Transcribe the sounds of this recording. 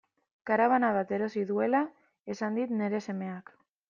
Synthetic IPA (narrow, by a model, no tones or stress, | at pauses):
kaɾaβ̞anaβ̞at̪e̞ɾo̞siðue̞la | e̞sand̪it̪ne̞ɾe̞se̞me̞ak